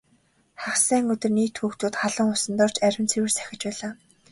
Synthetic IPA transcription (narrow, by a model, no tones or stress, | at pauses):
χaχsæːŋɵt̪ɵ̆rniːt̪ʰxuːkt̪uːt̪χaɮə̆ŋʊsə̆nt̪ɔːr̥t͡ɕæɾʲɪ̆nt͡sʰewɘ̆rsæ̥xʲɪ̆t͡ɕpæːɮaː